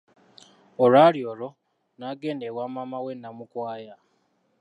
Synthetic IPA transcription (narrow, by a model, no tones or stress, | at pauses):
oɾaɾioɾo | naɡeːndewaːmamawenːamukwaːja